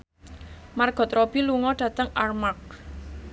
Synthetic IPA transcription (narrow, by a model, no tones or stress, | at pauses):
marɡ̥ɔ̤t̪ɾɔb̥iluŋɔɖ̥ä̤t̪əŋarmak̚